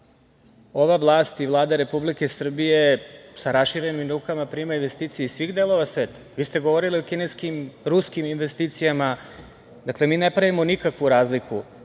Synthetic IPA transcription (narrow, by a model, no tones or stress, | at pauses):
o̞ʋavlˠaːst̪iʋlˠaːd̪aɾe̞publike̞sr̩bije̞saɾasʃiɾe̞nimɾuːkamapɾimainʋe̞st̪iːt̪sijeisʋiɣd̪e̞lˠo̞ʋasʋe̞ːt̪ḁʋiːst̪e̞ɡo̞ʋo̞ɾiliokine̞skimɾuskiminʋe̞st̪iːt̪sijama | d̪akle̞miːnepɾaʋimonikakʋuɾaːzliku